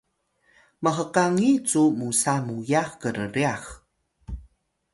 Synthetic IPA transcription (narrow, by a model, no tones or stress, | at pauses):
məɦəqaŋit͡sumusamujaxkəɾəɾiax